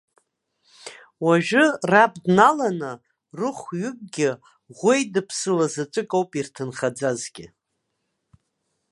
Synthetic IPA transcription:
waʒᶣʊrab̚ʼdnalanɨ | rɨχʷɥʏb̚ʼɡʲɪ | ʁʷejdɨpʰsɨlazat͡ʃʼɨkʼowpʼirtʰɨnχad͡zazɡʲɪ

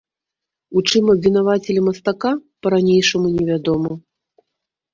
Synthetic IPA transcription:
ut͡ʂɨmɐbʲvʲinavat͡sʲɛlʲimɐst̪akapɐɾanʲejʂɐmunʲɛvʲad̪ɔmɐ

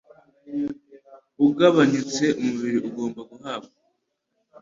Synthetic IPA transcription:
uɡaβaɲit͡se̞ʔumuβiɾiʔuɡo̞ːmbaɡuhaːβ̚ɡa

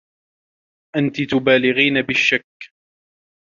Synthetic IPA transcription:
ʔant̪ɪt̪ʊbaːlɪɣiːnabɪʃːakː

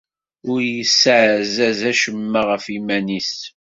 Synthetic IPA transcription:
ʊɾjəsʕzæzæʃəmːaʁəfimænis

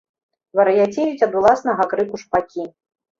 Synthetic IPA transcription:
vɐɾɐjat͡sʲevʲit͡sʲɐd̪ulˠasnɐɣɐkɾɨkuʂpakʲi

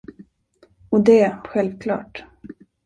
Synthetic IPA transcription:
ɔd̪ɛɧɛlvkʰlɑ̰ːʈ

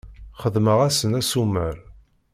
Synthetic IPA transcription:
χəðməʁæsənæsuməɾ

